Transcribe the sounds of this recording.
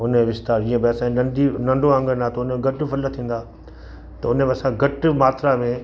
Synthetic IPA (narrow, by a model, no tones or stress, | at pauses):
ʊneʋɪst̪aːɾĩːə̃bɪɐsãnɐ̃ɖinɐ̃ɳɖoə̃ŋɡənaːt̪ʊnmẽɡɐʈ̆fʰɐlət̪ʰĩːn̆d̪aː | t̪ɐʊnəmeɐsãɡɐʈmaːt̪ɾamẽ